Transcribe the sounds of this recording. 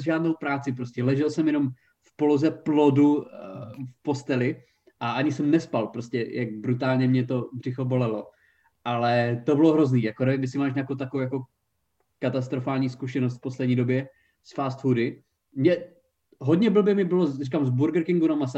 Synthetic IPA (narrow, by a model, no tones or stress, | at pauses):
zʒaːdnowpɾaːt͡sɪp̬ɾoscɛlɛʒɛlsɛmjɛno̞m | fpolozɛplodu | fpo̞st̪ɛlɪ | ʔaʔaɲɪsɛmnɛspalpɾoscɛjak̚bɾut̪̬aːlɲɛmɲɛt̪o̞br̝ɪxobo̞lɛlo̰ | ʔalɛt̪obɪloɦɾo̞zniːjakoɾɛvɪmɪsɪmaːʃɲaːkowt̪akoowjako | kat̪ast̪ɾofaːlɲiːskuʃɛnost̪fposlɛdɲiːdo̞bjɛ | sfaːst̪fudɪ | mɲɛ | ɦod̪ɲɛbl̩bjɛmɪbɪlorikamzbuɾɡɾkɪŋɡuɾomas